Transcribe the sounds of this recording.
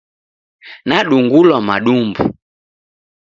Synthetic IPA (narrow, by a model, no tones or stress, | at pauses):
naɗuŋɡulwamaɗumbṵ